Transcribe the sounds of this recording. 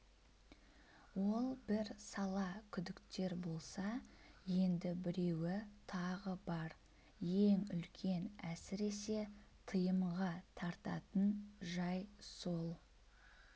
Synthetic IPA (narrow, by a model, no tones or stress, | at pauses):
wo̞lˠbɪɾsɑlˠɑkʲʰʏd̪ɪkt̪e̞ɾbo̞lˠsɑje̞nd̪ɪbɪɾe̞wɪt̪ʰɑʁəbɑɾ | je̞ŋʏlkʲʰe̞næsɪɾe̞se̞t̪ʰəjəmʁɑt̪ʰɑɾt̪ɑt̪ənʒɑjso̞lˠ